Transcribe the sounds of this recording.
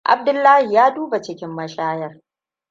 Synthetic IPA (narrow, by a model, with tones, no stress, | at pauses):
ʔa̰˨b̚dʊ˦lːaː˦hi˨jaː˦duː˦ba˨t͡ʃɪ˦kʲɪ˦mːɐ˦ʃaː˦jɐ˦r